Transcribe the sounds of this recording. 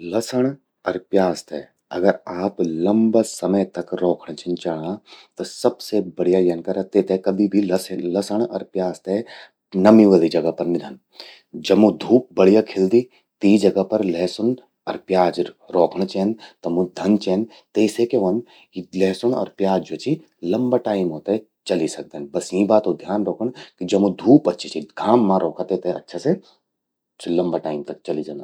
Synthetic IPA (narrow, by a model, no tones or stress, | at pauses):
lɐsəɽ̃ | ɐɾpjaːst̪ɛ̰ | ɐ̰ɡəɾaːplɐ̃mbasɐməjt̪ɐkɾɔːkʰɳ̃t͡ʃɛ̃nt͡ʃɐɽãt̪osɐbsebɐɽ̤ijajɐnkɐɾɐt̪et̪ʰekɐbʱibʱillɐsəɳ̃ɐ̰ɾpjaːst̪ɛ | nɐmiʋəlid͡ʒɐɡɐpɐɾnɪd̪ʱən | d͡ʒɐmũd̪ʱuːp̚bɐɽijakʰeld̪i | t̪id͡ʒɐɡapɐɾleːsʊn | ɔɾpjaːd͡ʒɾɔːkʰɳt͡ʃeːnt̪ɐmũd̪ʱɐnt͡ʃeːn | t̪esekeʋɐn | ileːsʊnɔ̰ɾpjaːd͡ʒot͡ʃi | lɐmbaʈaːɪmɦoːt̪aɛ | t͡ʃɐlisɐk̚d̪eːnbɐsĩbaːt̪od̪ʱjaːnɾoːkʰəɳ̃kid͡ʒɐbũd̪ʱuːpɐtːʃʰet͡ʃiɡʱaːmːãɾʔoːkʰat̪et̪eɐ̰tːʃʰase | t͡ʃlɐ̃mbaʈaːɪmt̪ɐk̚t͡ʃɐlid͡ʒaːnd̪a